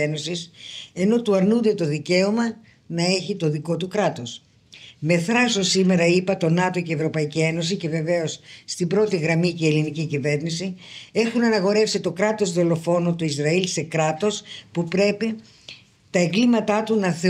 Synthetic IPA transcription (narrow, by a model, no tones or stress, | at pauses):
eno̞sise̞no̞t̪uɐɾnund̪e̞t̪o̞ðice̞omɐ | nɐe̞çit̪o̞ðiko̞t̪ukɾɐt̪o̞s | me̞θɾɐsosime̞ɾɐipɐt̪o̞nɐt̪o̞ceːvɾo̞pɐicie̞no̞s̬ice̞ve̞ve̞o̞sːt̪ibɾo̞t̪iɣɾɐmice̞ːlinicicive̞ɾnisie̞xunɐnɐɣo̞ɾe̞fsit̪o̞kɾɐt̪o̞zðo̞lo̞fo̞nut̪uizɾɐilse̞kɾɐt̪o̞spupɾe̞pi | t̪ɐeŋɡlimɐt̪ɐt̪unɐθe